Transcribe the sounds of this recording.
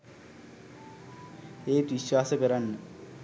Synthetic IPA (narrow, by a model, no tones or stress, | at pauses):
eːt̪ʋiɕwaːsəkəɾanːə